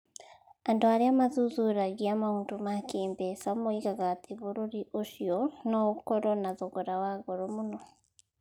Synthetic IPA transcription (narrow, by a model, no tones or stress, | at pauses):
andoaɾeamazuzuɾaɣiamauːntumakiːmbesamoiɣaɣatʰeβoɾoɾiʔoʃiɔnokoɾɔnaðoɣoɾawaɣoɾomuno